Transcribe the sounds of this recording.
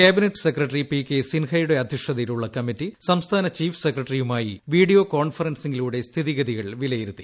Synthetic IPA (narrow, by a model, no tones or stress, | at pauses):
kaːbineʈːɨ̥sekrɐʈːripikːesinhɐjuɽe̞ɐd̪ʱiʂɐðɐjiluɭːɐkɐmitːisɐmst̪ʰaːnɐt͡ɕiːfsekrɐʈːrijumaːjiʋiːɽijo̞ːko̞ːɳfɐrɐnsiŋɡiluːɽe̞st̪ʰiðiɣɐðiɣɐɭʋilɐjiɾut̪ːi̥